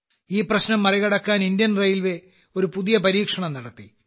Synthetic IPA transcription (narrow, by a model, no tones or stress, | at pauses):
iːprɐɕnɐmːɐriɣɐɽɐkːaːnind̪jɐnrɐjilʋe | o̞ɾupuðijɐpɐɾiːkʂɐɳɐmnɐɽɐt̪ːi